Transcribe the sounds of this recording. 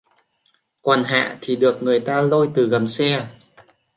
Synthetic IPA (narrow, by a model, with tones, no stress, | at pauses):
kwaː˨˩nɦa̰ː˧˨t̪ʰi˨˩ɗɨ˨˩ək̚ŋɨ˨˩əjt̪aː˧lo˧jt̪ɨ˨˩ɣə˨˩msɛ˧